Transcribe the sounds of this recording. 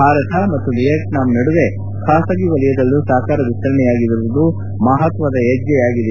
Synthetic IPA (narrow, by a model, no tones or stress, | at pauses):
bʱaːɾɐt̪ʰɐmɐt̪ːunijɐknaːmnɐɽuʋe̞ | kaːsɐɡiʋɐlijɐd̪ɐlːusaːkaːɾɐʋist̪ɐɾɐɳɛjaːɡid̪ɐɾuʋud̪u | mɐɦɐt̪ʋɐd̪ɐed͡ʒjɛjaːɡid̪e